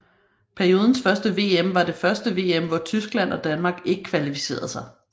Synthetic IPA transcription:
pʰæɐio̝ːð̞ˠn̩sfɶɐsd̥əʋe̝̰ːemʋɑ̈d̥e̝fɶɐsd̥əʋe̝̰ːemʋɒt͡sʰysɡ̥læn̰ɒ̽d̥ænmɑ̈ːɡ̥e̝ɡ̥əkʰʋælifi̥se̝̰ːɐðˠsɑ̈ɪ

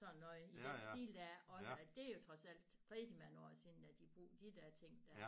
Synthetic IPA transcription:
sɒ̽nnːɒ̽ðˠid̥ensd̥ḭːld̥æʔɒ̽səæd̥e̝ɐjo̝t͡sʰʁɒ̽sæl̰d̥pʰʁɛðˠd̥imænɒ̰sinn̩æd̥ib̥ʁṵːd̥id̥æɐt͡sʰe̝ŋ̰d̥æɐ

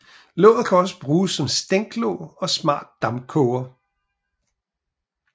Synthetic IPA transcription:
lɔʊð̩ˠkʰæɒ̽səb̥ʁuːsːɒ̽msd̥eŋ̰ɡ̥lɔ̰ʊɒ̽smɑ̰̈ːd̥̚ːɑ̈mkʰɔʊɐ

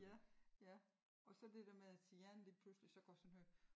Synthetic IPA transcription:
jæjæ | ɒ̽sɒ̽d̥e̝d̥eɐmeðˠæsiːænliːpʰluslisɒ̽ɡ̥ɒsɔnɦøɐ

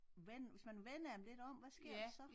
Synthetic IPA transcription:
ʋenʋe̝smænʋen̰ɐdemle̝d̥ɒ̽m̰ʋæsɡ̥e̝ɐ̰desɒ̽

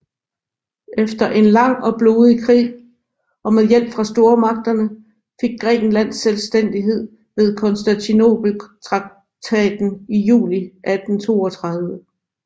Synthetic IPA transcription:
efd̥ɐʔe̝nlɑ̈ŋ̰ɒ̽b̥lo̝ðˠikʰʁḭː | ɒ̽meðˠjel̰b̥fʁɑ̈sd̥o̝ːɐmɑ̈ɡ̥̚d̥ɐnə | fe̝ɡ̥̚ːʁɛ̰ːɡ̥n̩læn̰selsd̥en̰d̥iɦe̝ð̞̰ˠ | ʋe̝ð̞ˠkʰɒ̽nsd̥ænt͡sʰino̝̰b̥l̩t͡sʰʁɑ̈ɡ̥̚ | t͡sʰɛ̰ːd̥n̩ijṵːliʔæd̥n̩t͡sʰo̝ːɒt͡sʰʁɑ̈ð̞ˠʋə

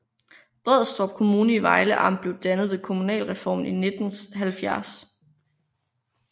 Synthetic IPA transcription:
b̥ʁɛð̩ˠsd̥ʁɒ̽b̥̚kʰo̝muːnəiʋɑ̈ɪləʔɑ̈m̰b̥le̝ʊd̥ænəð̞̩ˠʋe̝kʰo̝munɛ̰ːlʁɛfɒ̰ːmine̝d̥n̩ɦælfjæɐs

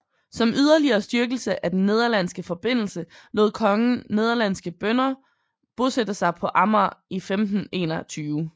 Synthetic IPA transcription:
sɒ̽mʔyð̞ˠɐliɐːsd̥yɐɡ̥l̩səʔæd̥enːe̝ð̞ˠɐlæn̰sɡ̥əfɒ̽b̥e̝n̰l̩səlo̝ð̩̰ˠkʰɒ̽ŋəne̝ð̞ˠɐlæn̰sɡ̥əb̥œnɐ | b̥o̝sed̥ɐsɑ̈ɪpʰɒ̽ʔɑ̈mɐifemd̥n̩e̝̰ːnɐt͡sʰyːʊ

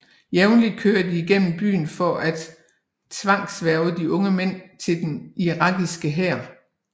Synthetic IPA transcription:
jeʊnli̥kʰøːɐd̥iːɡ̥en̰m̩b̥y̰ːn̩fɒ̽ʔæd̥ | t͡sʰʋɑ̈ŋ̰ɡ̥sʋæɐʊəd̥iʔɔ̽ŋəmen̰t͡sʰe̝ld̥eniʁɑ̈ɡ̥isɡ̥əɦɛɐ̰

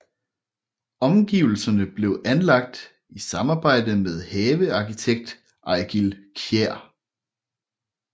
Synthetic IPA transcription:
ɒ̽mɡ̥ḭʊl̩sɐnəb̥le̝ʊʔænlɑ̈ɡ̥̚d̥ | isɑ̈mɑ̈ːb̥ɑ̈ɪ̰d̥əmeð̞ˠhɛːʋəɑ̈kʰit͡sʰeɡ̥̚d̥ | ʔɑ̈ɪɡ̥ilkʰjeɐ̰

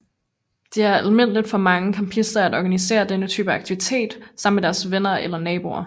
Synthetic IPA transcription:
d̥e̝æɐælme̝n̰əlid̥fɒ̽mɑ̈ŋəkʰɑmpʰisd̥ɐædɒɡ̥ænise̝̰ːɐd̥enət͡sʰy̰ːb̥əɑ̈ɡ̥̚t͡sʰiʋit͡sʰe̝̰ːd̥sɑ̈m̰̩ːmed̥æɐsʋenɐelɐnɛːb̥o̝ɐ̰

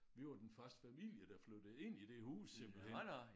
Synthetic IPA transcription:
ʋiʋɑd̥enfɶɐsd̥fæmil̰jəd̥æflød̥ð̩ˠe̝n̰id̥e̝huːsem̥l̩enɑɪ

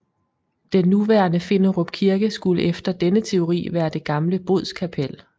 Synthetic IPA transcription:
d̥enːuʋæːɐnəfe̝noʁob̥̚kʰiɐɡ̥əsɡ̥uləʔefd̥ɐd̥enət͡sʰe̝o̝ʁḭːʋæːɐd̥e̝ɡ̥ɑ̈mləb̥o̝ð̰ˠskʰæpʰel

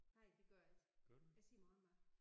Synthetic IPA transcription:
nɑ̈ɪ̰deɡ̥ɶɐælt͡si̥jaɪsḭːɐmɑːðˠɒmɑ

